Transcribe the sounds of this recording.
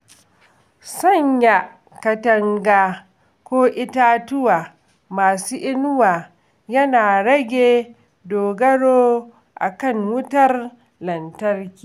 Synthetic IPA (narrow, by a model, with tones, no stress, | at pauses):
sɐ˦˨ɲja˨ | kɐ˨tɐ˦ŋɡaː˦ | kʷoː˦ʔɪ˦taː˦tʊ˦waː˨ | maː˨suː˦ʔɪ˦nʊ˦waː˨ | jɐ˦naː˨ɽɐ˦ɡʲeː˨ | doː˨ɡɐ˦ɽoː˦ | ʔa̰˨kɐ˦˨ŋwʊ˦tɐ˦r | lɐ˨ntɐ˦rkʲi̥ː˨